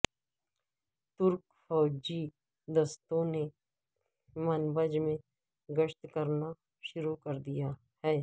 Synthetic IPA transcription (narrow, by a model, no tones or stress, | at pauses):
t̪ʊɾk | fɔːd͡ʒi | d̪ɐst̪õne | mɐnbəd͡ʒmẽ | ɡəʃt̪kɐɾna | ʃʊɾukɐɾd̪ija | hɛː